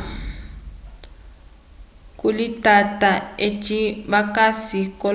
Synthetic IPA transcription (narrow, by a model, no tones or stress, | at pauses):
kulitʼatʼaet͡ʃʼiβakasikɔ